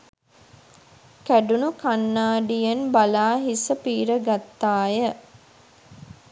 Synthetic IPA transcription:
kæɖunukanːaːɖijɐnbalaːɦisəpiːɾəɡat̪ːaːjə

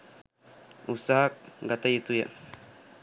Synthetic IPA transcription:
usaɦak̚ɡat̪ajet̪uja̰

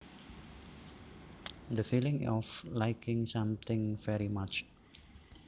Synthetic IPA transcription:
d̪əfilɪ̃ŋɔflajkʰɪ̃ŋsãmt̪ɪ̃ŋvɛɹimat͡ʃ

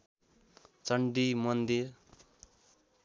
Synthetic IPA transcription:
t͡sʌɳɖimʌnd̪ir

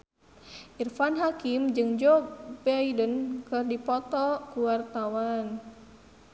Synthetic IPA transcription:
ʔirfanɦakimd͡ʒɨŋd͡ʒɔbɛidənkɨrdipɔt̪ɔkuwart̪awan

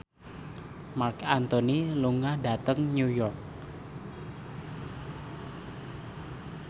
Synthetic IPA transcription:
markant̪oniluŋahda̤t̪əŋnujɔrk̚

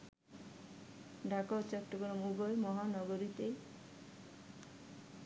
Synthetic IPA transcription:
ɖʱakawt͡ʃɔt̪ːɔɡɾɔmubɔjmɔɦanɔɡoɾit̪e

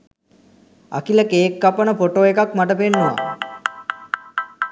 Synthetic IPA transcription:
a̰kiləkeːkːapənəpoʈoːekakmaʈəpenːuʋa̰

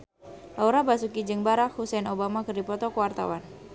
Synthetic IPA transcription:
lauɾabasukid͡ʒɨŋbaɾahusɛnobamakərdipɔt̪ɔkəwart̪a̰wan

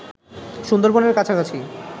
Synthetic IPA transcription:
ʃund̪oɾboneɾkat͡ɕʰakat͡ɕʰi

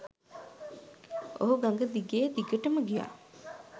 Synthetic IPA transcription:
o̰ɦuɡaŋɡəd̪iɡeːd̪iɡəʈəməɡija̰

